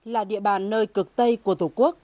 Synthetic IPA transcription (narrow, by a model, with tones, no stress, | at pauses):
laː˨˩ɗḭ˧˨əɓaː˨˩nːəː˧jkɨ˨˩k̚t̪ə˧jku˧˩ət̪ʰu˨˧˩ku˦˥ək̚